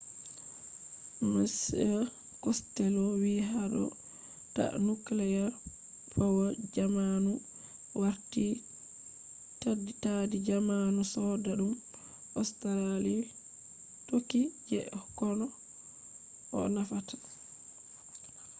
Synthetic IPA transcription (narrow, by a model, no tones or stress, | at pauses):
mas | kɔstɛlɔwiɦaɗɔ̰ | ta̰nuklɛja | pʰɔwɔd͡ʒamanu | waɾti | tadːitadid͡ʒamanusɔdaɗum | ʔɔstɛɾali | tokːid͡ʒɛ̰kɔnɔ | ʔɔ̰nafatḁ